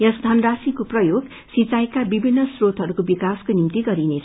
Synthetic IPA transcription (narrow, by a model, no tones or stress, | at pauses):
jʌsd̪ʱʌndasikoprʌjoɡ | sit͡sajkabibʱinːʌsrot̪ɦʌɾukobikaskonimt̪iɡʌɾinet͡sʰ